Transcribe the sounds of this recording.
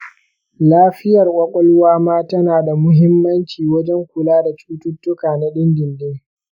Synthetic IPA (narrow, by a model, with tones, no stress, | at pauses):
laː˦ɸɪ˦jɐ˨rʔʷʼɐ˦kʷʼɔ˦lwaː˦maː˦tɐ˦naː˨da˨mʊ˦ɦɪ˦mːɐ˦nt͡ʃiː˨wɐ˦d͡ʒɛ˦ŋkʷʊ˨laː˦da˨t͡ʃuː˦tʊ˦tːʊ˦kaː˨na˦ɗɪ˦nɡʲɪ˨ndeː˦